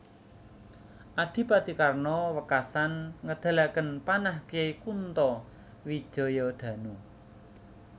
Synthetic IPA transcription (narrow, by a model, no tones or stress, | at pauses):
ʔaɖ̥i̤pad̪̥i̤karnɔwəkasanŋəd̪̥a̤lakənpanahkiaikunt̪ɔ | wi̥ʒ̥ɔ̤jɔɖ̪̥ä̤nu